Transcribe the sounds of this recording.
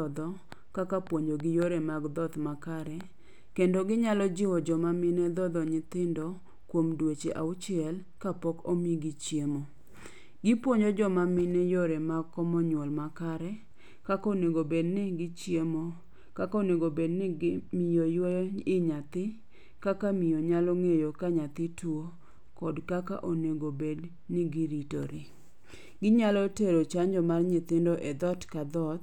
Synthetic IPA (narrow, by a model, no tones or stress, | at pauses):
d̪ɔ | kakapwoɲd͡ʒoɡɪjoɾɛmaɡd̪ɔt̪makaɾɛ | kendoɡɪɲalɔd͡ʒɪwɔd͡ʒɔmamɪnɛd̪ɔd̪ɔɲɪt̪ɪndɔ | kwomdwet͡ʃḛʔaʊt͡ʃɪɛl | kapɔkomiɡɪt͡ʃjemo | ɡɪpwoɲd͡ʒod͡ʒɔmamɪnɛjoɾɛmaɡkːɔmɔɲwɔlmakaɾɛ | kakoneɡobednɪɡɪt͡ʃjemo | kakaoneɡobednɪmɪjojweɪɲat̪ɪ | kakamɪjoɲalɔŋejokaɲat̪ɪtwo | kɔdkaka̰ʔoneɡobed | nɪɡɪɾito̰ɾɪ | ɡɪɲalɔteɾot͡ʃaɲd͡ʒɔmarɲɪt̪ɪndɔʔɛd̪ɔtkad̪ɔt̪